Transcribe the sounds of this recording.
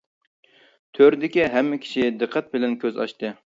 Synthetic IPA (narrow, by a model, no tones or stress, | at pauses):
t̪ʰøɾd̪ɪkʲiɦɛmːɪkʲʰi̥ʃid̪ɨqʰːɛt̪̚bɪlɛnkʲʰøzɑ̰ʃt̪ɨ